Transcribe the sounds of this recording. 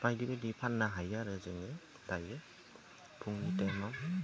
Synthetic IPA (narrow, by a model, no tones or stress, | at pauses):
pajdibadipʰanːaɦajaɾɯzɯŋɯ | dajɯ | pʰuŋnitama